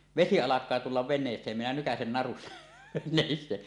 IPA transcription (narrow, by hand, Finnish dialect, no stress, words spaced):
ʋesi ɑlɑkˑɑː tulːɑʋ ʋenˑeːsˑeːm minæ nykæsen nɑrustɑ̥ neˑin se